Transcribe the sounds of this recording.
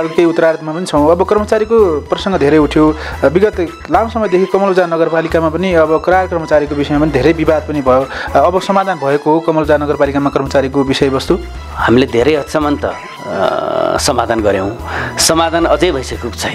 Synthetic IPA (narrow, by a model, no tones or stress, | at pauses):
kejut̪ːʌɾart̪mapʌnit͡sʰʌw̃ʌbʌkʌrmʌt͡saɾikoprʌsʌŋɡʌd̪ʱeɾʌjuʈʰjobiɡʌt̪ | lamsʌmʌjd̪ekʰiokʌmʌld͡zanʌɡʌrpalikamapʌniʌbʌkɾarkʌrmʌt͡saɾikobisʌjmapʌnid̪ʱeɾʌjbibad̪̚pʌnibʱʌjoʌbʌsʌmad̪ʱanbʱʌekoɦokʌmʌld͡zanʌɡʌrpalikamakʌrmʌt͡saɾikobisʌjbʌst̪u | hamiled̪ʱeɾʌjʌt̪sʰʌmʌnt̪ʌ̰ | sʌmad̪ʱanɡʌɾjow̃sʌmad̪ʱanʌd͡zʌjbʱʌjsʌkokt͡sʰʌ